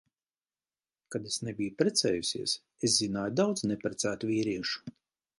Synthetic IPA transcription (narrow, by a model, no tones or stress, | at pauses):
kad̪esnebʲijupɾʲet̪sɛ̰ːjusʲiɛs | eszinaːjud̪awd̪znepɾɛt̪sæːt̪uvʲiːɾiɛʃu̥